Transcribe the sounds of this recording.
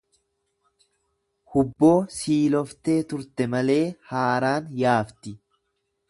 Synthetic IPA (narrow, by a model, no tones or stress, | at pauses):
hʊbːo̞ːsiːlɔft̪e̞ːt̪ʊɾt̪ɛmɐle̞ːhaːɾaːnjaːft̪ɪ